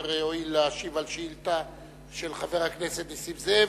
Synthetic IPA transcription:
ʁoilːaːʃivalʃiilt̪a | ʃelχave̞ʁhakneset̪lisivze

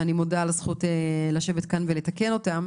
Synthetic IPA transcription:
animodalazχutelaʃevetkanveletake̞no̞tam

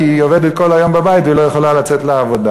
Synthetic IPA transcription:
ioved̪et̚ko̞lhajo̞mbabajitilojeχolalat͡setleavoda

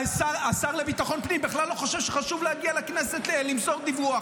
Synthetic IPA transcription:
saʁasaʁlebit̪aχo̞npnimbeχlalːo̞χoʃevʃeχaʃuvlehaɡialeknese̞t̪lelimso̞ʁd̪ivuaχ

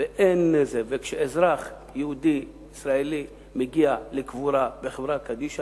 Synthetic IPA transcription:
eʔenːezevekʃeʔezɾaχ | jehud̪iː | sɾaeli | meɡialekvuɾabeχevɾakad̪iʃa

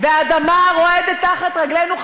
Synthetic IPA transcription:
veaːd̪amaʁo̞ed̪ettːaχat̪ʁaɡlenuχ

